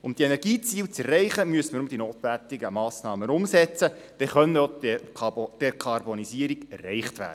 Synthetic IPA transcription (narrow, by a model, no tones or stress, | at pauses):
ʊmd̥ienɛɾɡiːt͡siːwt͡sɛrɛɪχəmyəsəməɾʊmd̥̪inoːt̪ʋæt̪ɪɡəmɑːsnɑːmənʊmsɛt͡sə | d̥ɛχœnəo | d̥ɛkʰɑrbɔnisiːəɾiɡ̥ɛrːɛɪχtvæ̰ːdə